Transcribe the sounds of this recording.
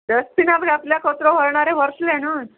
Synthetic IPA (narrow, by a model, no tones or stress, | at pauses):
dəspinapɡapljakʰɔt̪ɾɔʋəɾɳaɾeʋəɾslena